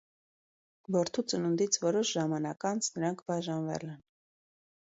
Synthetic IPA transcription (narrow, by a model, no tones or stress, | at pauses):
vɔɾt̪ʰut͡sənund̪it͡sʰvɔɾɔʃʒɑmɑnɑkɑnt͡sʰnəɾɑŋkʰbɑʒɑnvɛ̰lɛn